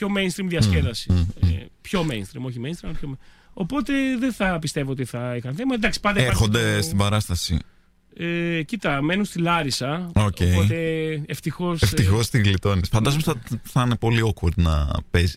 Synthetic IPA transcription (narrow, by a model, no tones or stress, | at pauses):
pço̞mejnst̪ɾimðiɐsceðɐsi | pço̞mejnst̪ɾimo̞çimenst̪imɐlɐpçom | o̞po̞t̪e̞ðeθɐpist̪e̞voot̪iθɐixɐnθemɐd̪ɐksi̥pɐnd̪ɐeɐɾxo̞nd̪est̪ibɐɾɐst̪ɐsḭ | ecit̪ɐme̞nunst̪ilɐɾisɐooceiot̪eeft̪ixo̞seft̪ixost̪iɣlit̪o̞nisfɐnd̪ɐzomsɐθɐnepo̞liokvoɾt̪nɐ̰pezi̥